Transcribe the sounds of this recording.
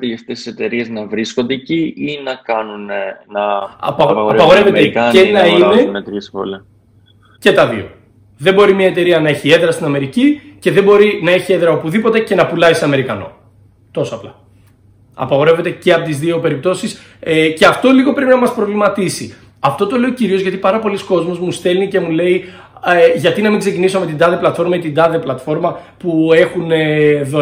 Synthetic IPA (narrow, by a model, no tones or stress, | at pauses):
ɾiɐft̪esi̥set̪e̞ɾieznɐvɾiskond̪eciinɐkɐnunnɐɐ̰pɐɐpɐɣo̞ɾeveeɐenɐinenet̪ɾispo̰le | ce̞t̪ɐðḭo̞̰ | ðe̞mbo̞ɾimiɐe̞t̪e̞ɾiɐnɐe̞çie̞ðɾɐst̪inɐme̞ɾicice̞ðe̞mbo̞ɾinɐe̞çieðɾɐopuðipo̞t̪e̞ce̞nɐpulɐisɐme̞ɾikɐno̞̰ | t̪o̞soɐplɐ | ɐ̰pɐɣo̞ɾe̞ve̞t̪e̞ce̞ɐpo̞t̪izðio̞pe̞ɾip̚t̪o̞sis | eceɐft̪o̞liɣo̞pɾe̞pinɐmɐspɾo̞vlimɐt̪isi | ɐft̪o̞t̪o̞le̞ociɾiozʝɐt̪i̥pɐɾɐpo̞lisko̞zmo̞zmust̪e̞lnice̞mule̞i | eʝɐt̪inɐmiŋɡze̞cinisome̞t̪ind̪ɐðeplɐt̪fo̞ɾmɐet̪ind̪ɐðeplɐt̪fo̞ɾmɐpue̞xuneðo